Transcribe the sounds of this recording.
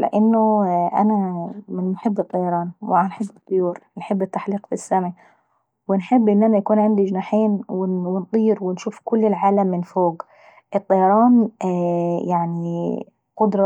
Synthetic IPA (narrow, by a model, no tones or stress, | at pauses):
lɪ̰ʔɪnːʊʔa̰naɪnmʊħɪbːɨt̪ˤːɑjɑɾˤɑːnwɪanħɪbːɨt̪ˤːʊjuːɾnħɪbːɪt̪ːaħliːqfisːamʕi | wɪnħɪbːʔɪnːʔanajakuːnʕamd̪id͡ʒnaːħeːnwɪwɪnt̪ˤiːɾwɪnʃuːfkʊlːɪlʕaːlamːɪnfoːɡ | ʔɨt̪ˤːɑjɑɾˤɑːn | jaʕni | qʊd̪ɾˤɑ